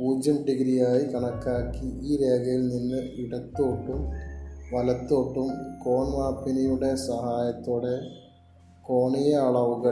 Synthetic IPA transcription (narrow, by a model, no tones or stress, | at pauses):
uːd͡ʑɐɳɖiɣɾijaːjikɐɳɐkːaːkːiiːɾe̞ːɡɐjilninːɨiɽɐt̪ːoːʈːumʋɐlɐt̪ːo̞ːʈːumko̞ːɳmaːpːinɐjuɽe̞sɐɦaːjɐt̪ːoːɽe̞ | ko̞ːɳijɐɐɭɐʋuɣɐ